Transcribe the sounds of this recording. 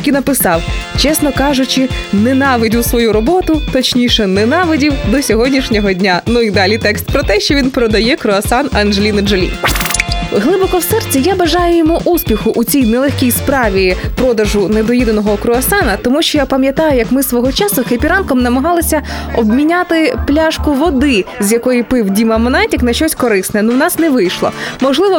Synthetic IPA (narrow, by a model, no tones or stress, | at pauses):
kʲinɐpɪsɑwt͡ʃɛsnɔkɑʒʊt͡ʃɪnɛnɑʋɪdʲʊwsʋɔjuɾɔbɔt̪ʊt̪ɔt͡ʃnʲiʃɛnɛnɑʋɪdʲiwd̪ɔsʲɔɦɔdʲnʲiʃnʲɔɦɔdʲnʲanuid̪ɑlʲit̪ɛkst̪̚pɾɔt̪ɛʃt͡ʃɔʋʲinpɾɔd̪ɐjɛkɾʊɐsɑnɐnʒelʲind͡ʒelʲḭ | ɦlˠɪbɔkɔwsɛrt͡sʲijabɐʒɑjʊjɔmuʔuspʲixʊʔut͡sʲijnɛlˠexʲkʲijspɾɑʋʲipɾɔd̪ɐʒʊned̪ɔjid̪ɐnɔɦɔkɾʊɐsɑnɐt̪ɔmuʃt͡ʃɔjapɐmʲjɐt̪ɑjʊjɐkmɪsʋɔɦɔt͡ʃɑsʊxepʲiɾɑnkɔmnɐmɐɦɑlˠɪsʲɐɔbmʲinʲat̪ɪplʲaʃkʊʋɔd̪ɪzjɐkɔjipɪiwdʲimɐmɔnɑtʲiknɐʃt͡ʃɔsʲkɔɾɪsnɛɛnuwnɑsnɛʋɪjʃlˠɔ̰mɔʒlˠɪʋɔ